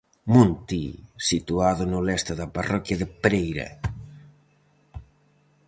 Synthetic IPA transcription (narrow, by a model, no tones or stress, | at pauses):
munt̪isit̪uaðonolɛst̪aðaparɔkjaðepɾejɾɐ̰